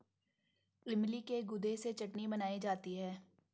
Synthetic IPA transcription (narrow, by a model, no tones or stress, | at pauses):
ɪmlikeɡʊd̪ʱeset͡ʃɐʈnibɐnaːid͡ʒaːt̪iɦɛː